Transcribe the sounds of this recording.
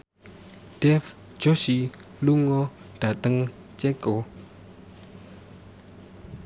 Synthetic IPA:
d̥ɛf | d͡ʑɔɕi | luŋɔ | d̥at̪aŋ | t͡ɕɛkɔ

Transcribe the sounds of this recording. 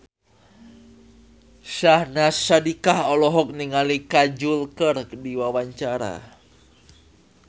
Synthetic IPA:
sahnasadikahɔlɔɦɔk̚niŋalikad͡ʒulkərdiwawaɲt͡ʃaɾa̰

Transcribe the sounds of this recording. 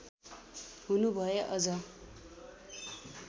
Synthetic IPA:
ɦunubʱʌjeʔʌd͡zʌ

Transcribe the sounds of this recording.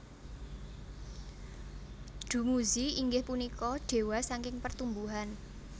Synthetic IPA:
d̥ṳmuziiŋɡɪhpunikɔɖ̥e̤wasaŋkɪŋpərt̪umbuɦan

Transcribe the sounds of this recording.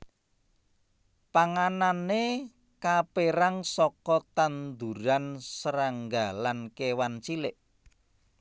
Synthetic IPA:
paŋanane | kapeɾaŋsɔkɔt̪and̪uɾansəɾaŋɡalankewant͡ʃilɪʔ

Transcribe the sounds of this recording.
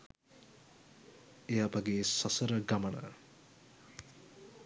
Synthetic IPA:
ejapaɡeːsɐsəɾəɡamənə̰

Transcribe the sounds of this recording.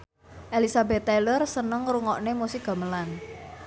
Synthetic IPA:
ʔelisabɛt̪ːelərsənəŋruŋɔʔnemusɪk̚ɡ̥a̤məlan

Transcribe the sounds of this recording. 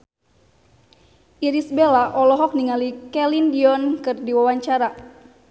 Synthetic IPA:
ʔiɾisbelaʔɔlɔɦɔk̚niŋalikɛlindiɔnkɨrdiwawaɲt͡ʃaɾa

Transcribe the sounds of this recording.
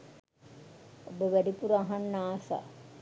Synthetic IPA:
obəʋæɖipuɾaɦanːaːsa̰

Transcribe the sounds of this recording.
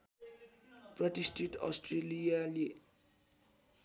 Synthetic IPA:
prʌʈisʈʰiʈʌ̰sʈrelijale

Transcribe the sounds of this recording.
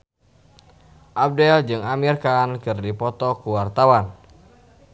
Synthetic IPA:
ʔap̚dɛld͡ʒɨŋamirkankɨrdipɔt̪ɔkuwart̪awan

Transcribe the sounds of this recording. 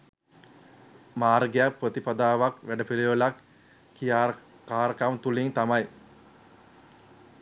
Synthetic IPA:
maːɾɡejak̚prət̪ipad̪aːʋakʋæɖəpiliʋəlakː | ija | kaːɾəkamt̪uliŋt̪amaj

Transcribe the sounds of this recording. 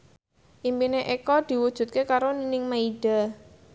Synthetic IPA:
ʔimpineʔekɔd̪̥i̤wud̥ʒ̥ṳt̪̚kekaɾoninɪŋmaiɖ̥a̤

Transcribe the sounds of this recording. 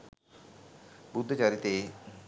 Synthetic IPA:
bud̪ʱːət͡ɕaɾit̪e

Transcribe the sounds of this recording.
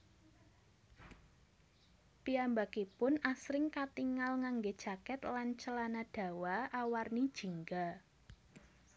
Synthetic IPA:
piambakipʊnasɾɪŋkat̪iŋalŋaŋɡed̥ʒ̥a̤kɛt̪lant͡ʃəlanad̥ä̤waawarnid̥ʒ̥i̤ŋɡa

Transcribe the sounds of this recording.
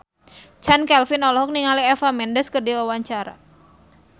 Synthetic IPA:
t͡ʃankɛlfɪnɔlɔɦɔk̚niŋaliɛfamɛndəskərdiwawaɲt͡ʃaɾa̰

